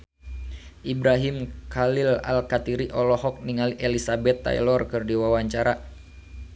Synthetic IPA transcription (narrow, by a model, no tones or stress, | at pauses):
ʔibɾaɦimkalila̰lkat̪iɾiʔɔlɔɦɔk̚niŋaliʔelisabɛt̪ːa̰ḭlɔrkɨrdiwawaɲt͡ʃaɾa